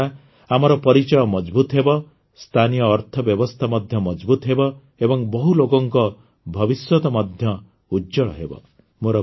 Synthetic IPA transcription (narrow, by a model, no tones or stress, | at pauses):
a | amɔɾɔpɔɾit͡ʃɔjɔmɔd͡ʒbut̪ɔɦebɔ | st̪ʰanijɔːɾt̪ʰɔbjɔbɔst̪ʰamɔd̪ʱjɔmɔd͡ʒbut̪ɔɦebɔ | ebɔŋbɔɦulokɔŋkɔ | bʱɔbiswɔt̪ɔmɔd̪ʱjɔ | ud͡ʒɔɭɔ̰ɦebɔ̰ | moɾɔ